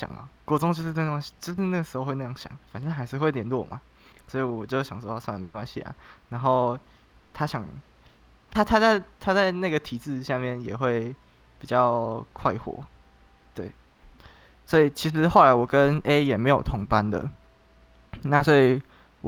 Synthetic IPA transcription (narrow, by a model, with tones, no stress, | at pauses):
jɑ̰˨˩ŋə̰˨kwɔ˧˥t͡sʊ˥ŋt͡ɕjʂ̩˥˧˥kwa˥ɕi˨˧˩t͡ɕjo˥˧˥na˥˨ɡə˩ʂɻ̩˧˥xo˧xwe˥˧na˧˩jɑ˥˩ŋɕjɑ̰˨˩ŋfa˨nt͡ɕɛ˥t̪ʰa˥xa˧˥ɪʂɻ̩˥˧xwe˥˩ɪljɛ˨˩˦nlwɔ˥˨mʔa̰˨˩ | swɔ˧˥i˨wɔ˨˩t͡ɕjo˥˧˥ɕjɑ˨˩ŋswɔ˥a˥˩sa˥˩a˨˩m˨˩kwa˥nɕḭ˨a̰˨˩na˧˦nxo˥˧ʊ | t̪ʰa˥ɕjɑ˨˩˦ŋ | t̪ʰa˥t̪ʰa˥t͡sa˥˧ɪt̪ʰa˥t͡sa˥˧ɪna˥˩ɡə˩t̪ʰi˨˩t͡sɹ̩˥˧ɕja˥˧mjɛ˥˩njɛ˨˩xwe˥˩ɪ | pi˨˩t͡ɕjɑ˥˧ʊkʰwa˥˧ɪxwɔ̰˨˩˦ | t̪we˥˩ɪ | swɔ˧˥i˨˩t͡ɕʰi˧˥ʂ̬ɻ̩˧˥xo˥˩ʊla˧˦ɪwɔ˨˩kə˦ne˦˥jɛ˨˩me˧˥ɪjo˨˩ʊt̪ʰʊ˧˥ŋpa˦nd̪ə̰˨ | na˥˨swɔ˧˥i˨˩ | w